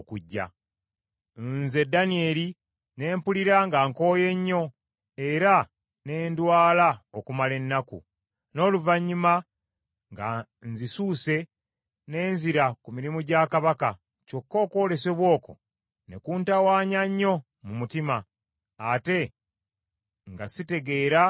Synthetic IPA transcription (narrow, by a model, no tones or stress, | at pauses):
okuɟːa̰ | nze̞danie̞li | ne̞ːmpuliɾaŋɡaŋko̞ːje̞ɲːo̞ | e̞ɾa | ne̞ːndwaːlaokumale̞nːakṵ | no̞ːluvaɲːuma | ŋɡa̰ | nzisuːse̞ | ne̞ːnziɾakumiɾimuɟakaβaka | co̞kːo̞ːko̞ːle̞se̞βwo̞ːko̞̰ | ne̞̰kuːntawaːɲaɲːo̞ | mumutimaː | te̞ | ŋɡasite̞ɡe̞ːɾa